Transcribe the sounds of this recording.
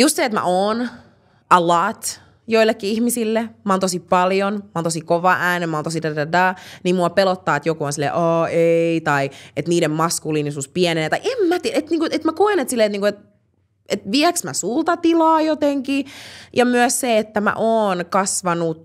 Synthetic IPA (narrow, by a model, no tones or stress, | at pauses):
just̪seːet̪mæ̰ʔoːn | ɑlɑːt̪ | joilːekːiihmisilːemɑont̪osippɑljonmɑont̪osikoʋɑʔæːnemɑont̪os̬idædɑdɑːnimmuɑpelot̪ːɑːet̪jokuonsilːḛʔɑːeit̪ɑiet̪niːɾemmɑskulinisuːspiɛnenet̪ɑiʔemmæt̪iæet̪niːkuet̪mækoenet̪silːeːet̪niːkuet̪̚ | et̪ʋiæksmæsult̪ɑt̪ilɑːjot̪eŋkijɑmyæsseet̪ːæmæ̰ʔoːnkɑsʋɑnu